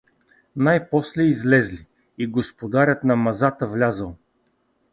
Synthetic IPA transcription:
najpɔslɛizlɛzli | iɡospod̪aɾʲət̪nɐmɐzat̪əvlʲazəlˠ

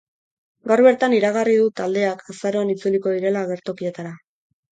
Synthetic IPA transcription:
ɡawɾβe̞ɾt̪aniɾaɣ̞ariðut̪ald̪e̞akʰasaɾo̞anit͡suliko̞ðiɾe̞laːɣe̞ɾt̪o̞kie̞t̪aɾa

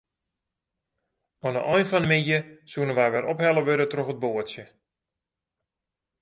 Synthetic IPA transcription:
ɔnə̰ʔɔjnfɔnmijəsuənənʋajʋɛɾʔɔphɛlˠəʋøɾətroxət̚boətsjə

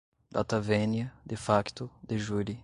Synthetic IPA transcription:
d̪̥at̪avenjɐd̪efakt̪ʊd̪eʒuli

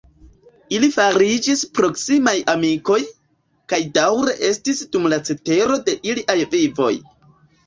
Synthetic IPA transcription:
ilifaɾid͡ʒispɾo̞ksimajʔamiko̞j | kajdawɾe̞ʔe̞stisd̥umlat͡se̞te̞ɾo̞de̞ʔiliʔajvivo̞̰j

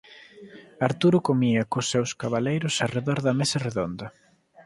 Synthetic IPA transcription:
aɾt̪uɾʊkomiɐkosːewskaβalejɾʊsareðɔɾðɐmesɐreðond̪ɐ

